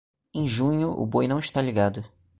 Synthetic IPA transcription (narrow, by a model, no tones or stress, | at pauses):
ẽj̃ʒũɲʊʔʊ̰bojnɐ̃w̃ɪʃt̪aliɡad̪ʊ